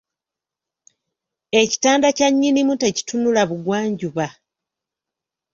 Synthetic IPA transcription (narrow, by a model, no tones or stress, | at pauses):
e̞ci̥taːndacaɲːinimute̞ci̥tunulaβuɡwaːɲɟuβa